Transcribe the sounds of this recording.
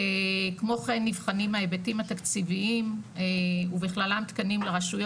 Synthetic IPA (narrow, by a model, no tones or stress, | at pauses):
ekmo̞χenːivχanimaebetimat̪akt͡siviimeubiχlalamt̪kanimleʁaʃujo